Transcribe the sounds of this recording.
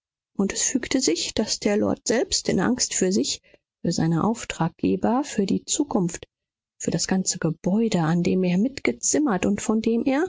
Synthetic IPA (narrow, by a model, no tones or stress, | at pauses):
ʔʊntɛsfyːktəzɪçd̥asd̥eːɐlɔ̰ɐtz̥ɛlpstɪ̰nʔa̰ŋstfyːɐzɪç | fyːɐza̰ɪnəʔa̰ʊftʁ̥aːk̚ɡ̥eːbɐfyːɐdiːt͡suːkʰʊnft | fyːɐɾasɡ̥ant͡səɡ̥əb̥ɔʏdəandeːmeːɐmɪtɡ̥ət͡sɪmɐtʊntfɔndeːmʔeːɐ